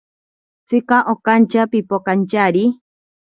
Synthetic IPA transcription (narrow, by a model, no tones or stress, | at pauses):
t͡sɨkaʔokant͡ʃapipokant͡ʃaɾi